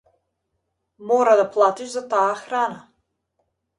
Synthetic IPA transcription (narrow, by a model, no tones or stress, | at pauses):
mɔɾad̪aplˠat̪iʃzat̪aːxɾana